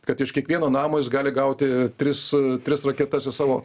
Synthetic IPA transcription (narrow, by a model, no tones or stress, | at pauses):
kɐt̪ɪʃkʲiɛkʋʲiɛnoːnɑːmoːjɪsɡɑːlʲɪɡɐʊt̪ʲɪt̪ʲɾʲɪst̪ʲɾʲɪsrɐkʲɛt̪ɐsʲɪsɑːʋoː